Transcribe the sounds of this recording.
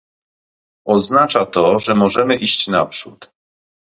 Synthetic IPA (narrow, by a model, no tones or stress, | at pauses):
ɔznat͡ʂat̪ɔʐɛmɔʐɛmɘʔiɕt͡ɕna̰pʂut̪